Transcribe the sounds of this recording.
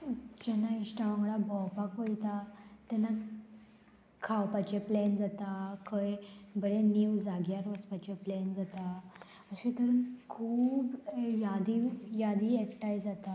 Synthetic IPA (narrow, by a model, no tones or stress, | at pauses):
d͡ʑɛnaiɕʈaʋãŋɡɽabʱɔwpakojt̪at̪ɛna | kʰːawpat͡ɕeplend͡zat̪akʰəjbəɽeniwd͡zaɡjaɾʋəspat͡ɕeplɛnd͡zat̪a | əɕẽt̪əɾunkʰuːbjad̪ijad̪iekʈajd͡zat̪a